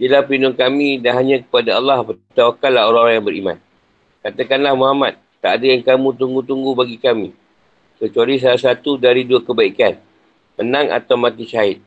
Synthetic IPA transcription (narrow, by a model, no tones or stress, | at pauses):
dəlahpinʊŋkamĩdanɦaɲãkə̥padaɑlːɑhpət̪awakanlahɦoɾãŋoɾaŋjaŋbəɾḭmã̰n | kat̪əkanlahmoɦamat̪̚ːaʔadajaŋkamũt̪uŋɡut̪uŋɡubaɡikamĩ | kət͡ʃualis̬alas̬at̪udaɾiduakəbaikan | pənãŋa̰t̪awmãt̪iʃaɪt̪̚